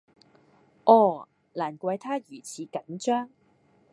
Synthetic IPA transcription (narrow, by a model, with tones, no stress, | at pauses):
ʔɔː˧˩ | laː˨˩nkʷɐ˧jt̪ʰaː˥jyː˨˩t͡sʰiː˨˧kɐ˨˥nt͡ʃœː˥ŋ